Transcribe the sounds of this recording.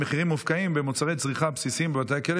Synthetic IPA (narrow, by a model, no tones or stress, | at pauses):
eχiʁimːufkaimbemot͡saʁejt͡sʁiχapsisimbevat̪ajakel